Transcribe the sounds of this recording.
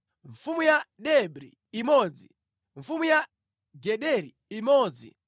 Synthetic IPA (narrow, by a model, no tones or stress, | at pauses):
ɱfumujaɗɛbɾḭːmɔd͡zḭ | ɱfumuja | ɡɛɗɛɾi | imɔːd͡zḭ